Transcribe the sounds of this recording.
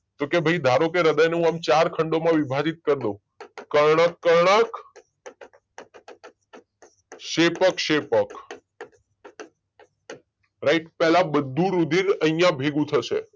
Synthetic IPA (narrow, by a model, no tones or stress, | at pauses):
t̪okebʱəjd̪ʱaɾokeɾəd̪əjneɦũamt͡ʃaɾkʰəɳɖomãʋibʱad͡ʒit̪̚kəɾd̪õ | kəɾɳ̃əkːəɾɳək | ʃepəkʃepək | ɾaiʈpɛlabəd̪ʱːũɾud̪ʱiɾəijãbʱeɡũt̪ʰəʃḛ